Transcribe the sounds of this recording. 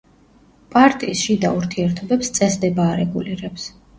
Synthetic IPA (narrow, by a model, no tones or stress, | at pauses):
pʼaɾt̪ʼiːsʃid̪a̰uɾt̪ʰiɛɾt̪ʰɔbɛpst̪sʼɛsd̪ɛbaːɾɛɡuliɾɛps